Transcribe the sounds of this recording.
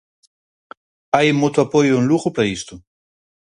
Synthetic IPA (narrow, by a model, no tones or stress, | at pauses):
ajmot̪oapojoenluɣopɾaist̪u